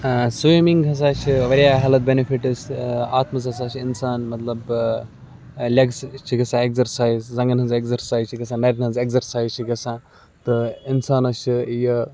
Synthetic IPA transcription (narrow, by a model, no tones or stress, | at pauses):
sumiŋɡɦɐs̬aːt͡ʃʰiʋɐɾjaːɦaːlɐt̪̚benifʰiʈɐsaːt̪mɐzɦɐsaːt͡ʃʰinsaːnmɐt̪lɐb | lʲɐɡst͡ʃʰiɡɐsãːekzɐɾsaːizzɐ̃ŋɡɐnɦɐnzekzɐɾsaːjzt͡ʃʰiɡɐsãːnɐɾʲinɐnzekzɐɾsaːjzt͡ʃʰiɡɐsãː | t̪ɨinsaːnɐst͡ʃʰijɐ